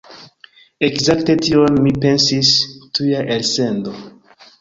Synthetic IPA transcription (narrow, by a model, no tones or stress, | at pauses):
ekzakte̞tionmipe̞nsistujaʔelsendo